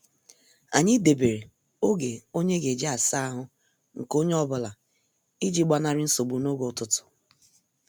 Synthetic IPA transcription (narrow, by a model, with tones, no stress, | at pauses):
a˨ɲɪ˦de˨be˨ɾe˨ | o˦ɡe˨o˦ɲe˦ɡe˨d͡ʒe˦a˨sa˦a˦ɦʊ˦ | ŋ̩˨ko˦ɲe˦ɔ˦bʊ˦˨la˨ | i˦d͡ʒi˦ɡ͡ba˦na˦ɾɪ˦n̩˦so˨ɡ͡bu˨no˦ɡo˨tʊ˦tʊ̥˨